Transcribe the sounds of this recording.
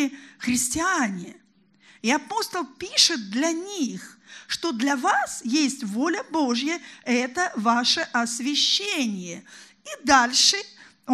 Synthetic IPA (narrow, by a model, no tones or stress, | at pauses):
ɪxɾʲɪsʲtʲɪanʲɪ | iɐpo̞st̪əlˠpʲiʂɨt̪̚d̪lʲɐnʲixʂt̪od̪lʲɐvasjesʲtʲvo̞lʲəbo̞ʐjəɛt̪əvaʂəʔɐsvʲɪɕːenʲɪjə | id̪alʲʂɨ